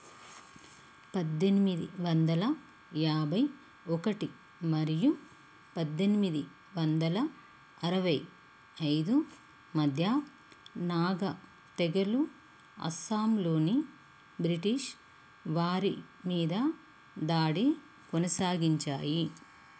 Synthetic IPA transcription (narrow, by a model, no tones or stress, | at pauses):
pɐd̪ːenimid̪iʋɐnd̪ɐlɐ | jaːbɐj | ɔkɐʈi | mɐɾiju | pɐd̪ːenimid̪i | ʋɐnd̪ɐlɐ | ɐɾɐʋɐj | ɐjd̪u | mɐd̪ʱjɐ | naːɡɐ | t̪ɛɡɐlu | ɐ̰saːmlo̞ːni | bɾiʈiʃ | ʋaːɾi | miːd̪ɐ | d̪aːɽi | konɐsaːɡiɲt͡ʃa̰ːji